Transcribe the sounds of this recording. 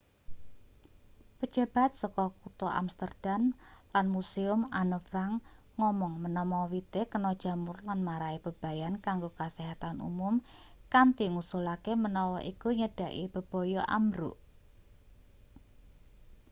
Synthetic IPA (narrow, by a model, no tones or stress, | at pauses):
pə̥d͡ʒ̥a̤b̥a̤t̪̚sɔkɔkut̪ɔʔa̰mst̪ərd̥anlanmusiʊmanəfɾaŋː | ɔmɔŋmənɔmɔwit̪ekənɔd̥ʒ̥a̤mʊrlanmaɾaib̥ə̤b̥a̤jankaŋɡokasiɦat̪anṵmʊmkant̪iŋusulakemənɔwɔʔikuɲəɖ̥a̤ʔib̥ə̤b̥ɔ̤jɔʔa̰mɾṵʔ